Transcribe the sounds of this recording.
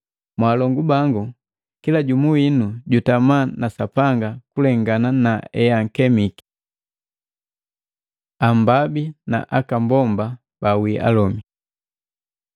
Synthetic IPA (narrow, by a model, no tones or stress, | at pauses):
mwaːlɔŋɡubaŋɡu | kilaɟumuwinuɟutamanasapaŋɡakulɛŋɡananaɛaŋ̩kɛmiki̥ | ambabina̰ʔakambɔmba | bawiʔa̰lɔmi